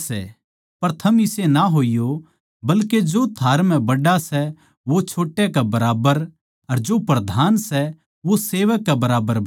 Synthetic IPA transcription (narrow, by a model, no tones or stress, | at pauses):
sɛ̰ | pɐɾt̪ʰɐmɪsenaɦoːijo | bɐlked͡ʒot̪ʰaːɾmɛ̃bɐɖasɛ | ʋot͡ʃʰoːʈːekabɐɾaːbəɾ | ɐɾd͡ʒopɾɐd̪ʱaːnsɛ | ʋoseːʋəkːabɐɾaːbəɾ